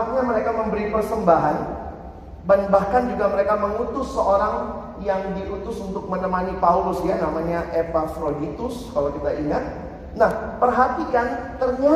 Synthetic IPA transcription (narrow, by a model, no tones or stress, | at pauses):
t̪̚ɲaməɾekaməmbəɾipərsəmbaɦan | danbahkand͡ʒuɡaməɾekaməŋut̪ʊsːəʔoɾaŋ | jaŋdiʔut̪ʊsunt̪ʊk̚mənəmanipaulʊsjanamaɲaʔepafɾodit̪ʊskalakit̪aiŋat̪̚ | nahpərɦat̪ikant̪ərɲa